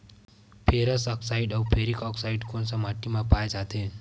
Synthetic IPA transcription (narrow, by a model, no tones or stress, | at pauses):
pʰeːɾəsɔksaːiɖɔːpʰeːɾikɔːksaːɪɖkõːnsamaʈːimãpaːed͡ʒaːt̪e